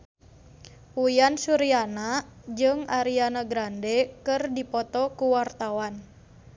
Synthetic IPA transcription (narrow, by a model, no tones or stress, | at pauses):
ujansuɾianad͡ʒɨŋaɾianaɡɾandɛkɨrdipɔt̪ɔkuwart̪awan